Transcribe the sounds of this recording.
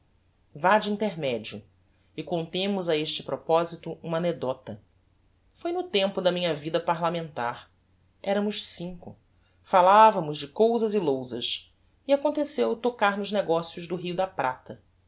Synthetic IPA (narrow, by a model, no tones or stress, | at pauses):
vad͡ʒɪĩnt̪eɾmɛd͡ʒiʊ | ɪkõnt̪ẽmʊzaeʃt͡ʃɪ̥pɾɔpɔzit̪ʊʔũmɐaːned̪ɔt̪ɐ | fojnʊt̪ẽmpʊd̪ɐmĩɲɐvid̪ɐpaɾlamẽnt̪aɾ | ɛɾɐmʊʃsĩŋkʊ̰ | falavɐmʊzd͡ʒɪkowzɐzɪlowzɐs | ɪakõnt̪esewt̪okaɾnʊʒneɡɔsjʊʒd̪ʊɦiʊd̪ɐpɾat̪ɐ